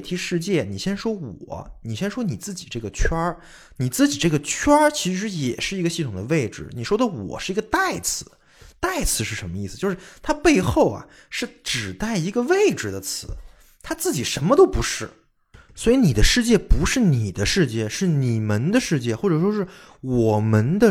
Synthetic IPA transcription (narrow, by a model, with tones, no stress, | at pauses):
t̪ʰi˧˥ʂɻ̩˥˧t͡ɕjɛ˥˩ni˨˩ɕjɛ˥nʂwɔ˥wɔ̰˨˩˦ni˨˩ɕjɛ˥nʂwɔ˥ni˨˩t͡sɹ̩˥˩t͡ɕi˨˩ʈ͡ʂɤ˥˩ɡə˩t͡ɕʰɥɐ˥ | ni˨˩t͡sɹ̩˥˩t͡ɕi˨˩ʈ͡ʂɤ˥˩ɡə˩t͡ɕʰɥɐ˥t͡ɕʰi˧˥ʂɻ̩˧˥jɛ˨˩ʂɻ̩˥˩i˧˥ɡə˧ɕi˥˩t̪ʰʊ˨˩ŋd̪ə˦we˥˩ɪʈ͡ʂɻ̩̰˨˩ni˨˩ʂwɔ˥d̪ə˨wɔ̰˨˩ʂɻ̩˥˩i˧˥ɡə˧t̪a˥˩ɪt͡sʰɹ̩˧˥˦ | t̪a˥˩ɪt͡sʰɹ̩˧˥ʂɻ̩˥˩ʂə˧˥nmə˧i˥˩sɹ̩˩t͡ɕjo˥˧ʊʂɻ̩˥˧t̪ʰa˥pe˥˧ɪxo˥˩ʊɐ̰˩ | ʂɻ̩˥˩ʈ͡ʂɻ̩˨˩t̪a˥˩ɪi˧˥ɡə˧ʋe˥˩ɪʈ͡ʂɻ̩˨˩d̪ə˩t͡sʰɹ̩˧˥ | t̪ʰa˥t͡sɹ̩˥˩t͡ɕi˨˩ʂə˧˥nmə˧t̪o˥ʊpu˧˥ʂɻ̩˥˩ | swɔ˧˥i˧˥ni˨˩d̪ə˦ʂɻ̩˥˧t͡ɕjɛ˥˩pu˧˥ʂɻ̩˥˩ni˨˩d̪ə˦ʂɻ̩˥˧t͡ɕjɛ˥˩ʂɻ̩˥˩ni˨˩mə˧˦˥nd̪ə˧ʂɻ̩˥˧t͡ɕjɛ˥˩xwɔ˥˩ʈ͡ʂɤ˨˩ʂwɔ˥ʂɻ̩˥˩ | wɔ˨˩mə˧˥nd̪ə˧